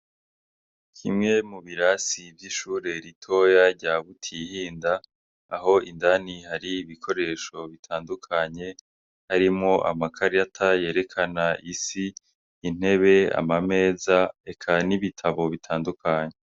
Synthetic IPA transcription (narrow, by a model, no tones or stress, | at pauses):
kʰimŋe̞muβiɾasibjiʃuːɾe̞ɾitʰo̞jaɾɟaβutʰihiːndaː | ɦo̞ʔindanihaɾiːβikʰo̞ɾe̞ʃo̞βitʰaːndukʰaɲe̞ | haɾimŋo̞ʔa̰makʰaɾiatʰaje̞ːɾe̞kʰanaʔisiː | n̥he̞βe̞a̰mame̞ːzae̞kʰaniβitʰaβo̞βitʰaːndukʰaɲe